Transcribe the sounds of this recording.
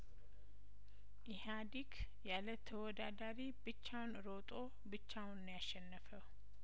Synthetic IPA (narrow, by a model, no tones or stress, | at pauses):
ʔihad̪ikʰ | jalət̪ʰəwɔd̪ad̪aɾibɨt͡ʃːawnɾot̪ʼo̞ | bɨt͡ʃːawnɨnjaʃːɛnːəfəw